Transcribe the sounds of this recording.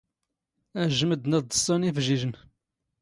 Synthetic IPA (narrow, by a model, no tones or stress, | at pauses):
æʒəməd̪næðd̪əsˤːɑnifʒiʒən